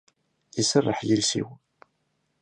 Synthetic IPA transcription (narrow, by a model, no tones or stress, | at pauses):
isərˤːəħjəlsḭw